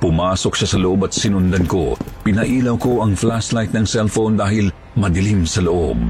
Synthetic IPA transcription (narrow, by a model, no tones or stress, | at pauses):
pʊmaːso̞k̚ʃasɐloʔo̞bɐt̪̚sɪnʊnd̪ɐnko̞̰pɪnɐʔiːlɐwko̞ʔɐŋflaslajt̪̚nɐŋsɛlfownd̪aːhɪl | mɐd̪ɪlimsɐloʔo̰b̚